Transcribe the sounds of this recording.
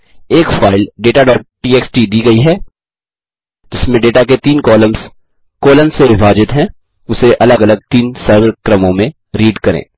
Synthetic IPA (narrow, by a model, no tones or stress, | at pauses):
eːkfaːɪlɖeːʈaɖɔːɾʈ̚piːeːksʈiːd̪iːɡɐiɦɛː | d͡ʒɪsmẽɖeːʈaket̪iːnkɔːləmz̥ | kɔːləmseɾɪfaːd͡ʒɪt̪ɦɛ̃ | ʊseʔɐləɡɐləɡ̚t̪iːnsɐːɾwəɾkɾɐmõmẽ | ɾiːɖkɐɾḛ̃ː